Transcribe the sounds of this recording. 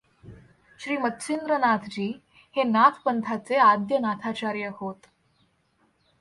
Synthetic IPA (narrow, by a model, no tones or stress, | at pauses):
ɕɾiːmət̪ɕʰind̪ɾənat̪ʰd͡ʑiː | henat̪ʰpənt̪ʰat͡sead̪jənat̪ʰat͡ɕaɾjəhot̪